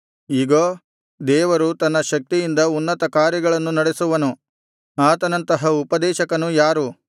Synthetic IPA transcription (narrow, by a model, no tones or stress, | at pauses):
iːɡoː | d̪ɛːʋɐɾut̪ɐnːɐʃɐk̚t̪ijind̪ɐunːɐt̪ɐkaːɾjɐɡɐɭɐnːunɐɽesuʋɐnu | aːt̪ɐnɐnt̪ɐɦɐupɐd̪ɛːʃɐkɐnujaːɾu